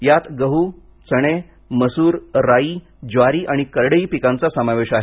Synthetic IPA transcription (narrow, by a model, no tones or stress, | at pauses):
jat̪ɡəɦu | t͡səɽ̃e | məsuːɾːaiː | d͡ʑʋaɾiːʔaɽ̃ikəɾɽəiːpikãnt͡sasəmaʋeɕaɦe